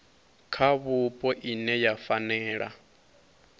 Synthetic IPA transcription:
kʰaβupʼɔʔinɛjafanɛːɺa̰

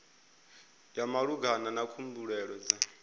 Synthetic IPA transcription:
jamaɺuɡananakʰumbuɺɛɺɔd͡za

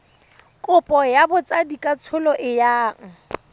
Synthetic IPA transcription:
kʼʊpʼɔjabʊt͡sʼadikʼat͡sʰʊlɔʔɪjaːŋ̩

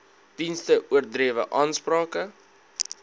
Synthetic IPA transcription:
d̥instəʔuərdriəvə̰ʔɑːnsprɑːkə

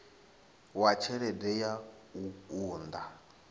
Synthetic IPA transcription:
wat͡ʃʰɛɺɛdɛja | uuːnd̪a

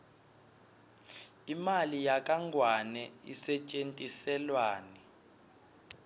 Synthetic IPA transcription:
imalijak̬ʼaŋɡʱwanɛḭsɛt͡ʃʼentʼisɛlwaːni

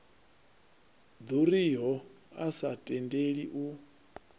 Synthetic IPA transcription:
d̪uɾiɦɔ | asatʼɛndeɺiʔu

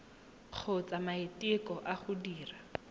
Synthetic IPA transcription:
k͡xʰʊt͡samaetɪkɔʔaχʊdiːra

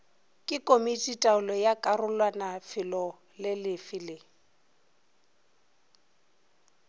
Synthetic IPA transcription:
kʼɪkʼomitʼitʼaʊlɔjakʼarʊlwanafɪlɔ | lɪlɪfɪlɪ

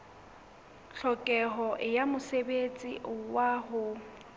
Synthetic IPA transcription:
ɬɔkʼɛɦɔʔɪjamʊsebet͡sʼḭʔʊwaɦʊ

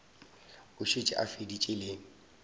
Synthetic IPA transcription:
ʊʃet͡ʃʼɪ̰ʔa̰fedit͡ʃʼɪleːŋ̩

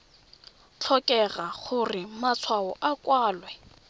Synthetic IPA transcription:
t͡ɬʰɔkʼɛraχʊrɪmat͡sʰwaɔʔakʼwaːlwɛ

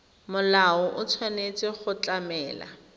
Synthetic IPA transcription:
mʊlaʊʔʊt͡sʰwanet͡sʼɪχʊt͡ɬamɛːla̰

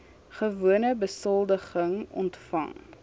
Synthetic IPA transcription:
χəvuənəbəsɔlˠdəχəŋɔ̰ntfɐ̰ŋ

